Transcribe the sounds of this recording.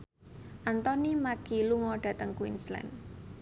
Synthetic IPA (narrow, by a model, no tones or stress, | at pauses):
ʔant̪ɔnimaɡ̥iluŋɔɖ̥ä̤t̪əŋkwḭnslɛ̰n